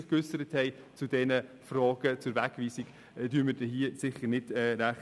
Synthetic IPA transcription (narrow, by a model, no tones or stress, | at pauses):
χkʏsəɾəthɛɪ | t͡sudɛnə | frɑːɡ̥ət͡sʊɾʋækviːsiɡ | d̥yːməd̥ɛɦiəsɪχəɾnɪdɛɾæχ